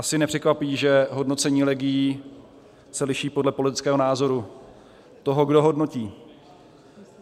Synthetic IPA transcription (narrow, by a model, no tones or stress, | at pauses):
ʔasɪnɛpr̥ɛkvapiːʒɛɦo̞dno̞t͡sɛɲiːlɛɡɪji | sɛlɪʃiːpodlɛpo̞lɪt̪ɪ̥t͡skɛːɦonaːzo̞ɾu | t̪o̞ɦo̞ɡdo̞ɦo̞dno̞ciː